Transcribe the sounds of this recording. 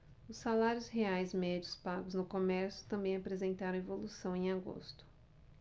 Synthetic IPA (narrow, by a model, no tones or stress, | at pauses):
ʊsːalaɾjʊzheajzmɛd͡ʒʊspaɡʊznʊkomɛɾsjʊ̥t̪ɐ̃mbẽj̃apɾezẽnt̪aɾɐ̃w̃evolusɐ̃w̃ẽj̃aɡo̰st̪ʊ̥